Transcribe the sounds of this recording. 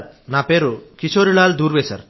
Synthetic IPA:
napeɾukit͡ʃʰoɾilaːld̪uɾbesʰɐ̰ɾ

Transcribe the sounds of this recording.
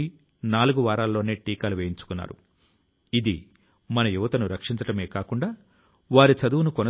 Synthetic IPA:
i | naːluɡuʋaːɾaːlɐlːo̞ːneːʈiːkaːluʋeːjiɲt͡ʃu̥kunːa̰ːɾṵ | id̪i | mɐnɐjuʋɐt̪ɐnuɾɐkʂiɲt͡ʃɐʈɐme̞ːkaːkuɳɖaː | ʋaːɾit͡ʃɐd̪uʋunukɔnɐ

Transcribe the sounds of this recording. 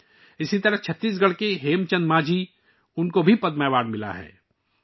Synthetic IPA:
ɪsit̪ɐɾəɦt͡ʃʰɐt̪ːiːs̬ɡɐɽ̤keɦeːmt͡ʃə̃nd̪maːd͡ʒi | ʊnkobʱipɐd̪mɛːʋaːɖmɪla̰ɦɛ̰ː

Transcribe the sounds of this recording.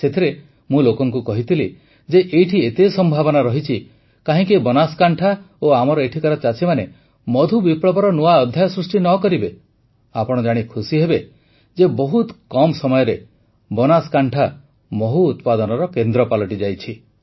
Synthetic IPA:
set̪ʰiɾe | mũlokɔŋkukɔɦit̪ʰili | d͡ʒeʔejʈʰiet̪esɔmbʱabɔnaɾɔɦit͡ʃʰi | kaɦĩkibɔnaskaɳʈʰa | oamɔɾɔeʈʰikaɾɔt͡ʃat͡ʃimane | mɔd̪ʱubipɽɔbɔɾɔnuaɔd̪ʱːjajɔsɾusʈinɔkɔɾibe | apɔɽ̃ɔd͡ʒaɽ̃ikʰusiɦebe | d͡ʒebɔɦut̪kɔmsɔmɔjɔɾe | bɔnaskaɳʈʰa | mɔɦuːt̪pad̪ɔnɔɾɔkend̪ɾɔpalɔʈid͡ʒajt͡ʃʰi

